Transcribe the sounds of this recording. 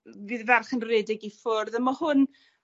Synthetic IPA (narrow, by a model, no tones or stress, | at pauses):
vɨːðvɛrχənrɛːdɪɡifɔrðəmɔhʊn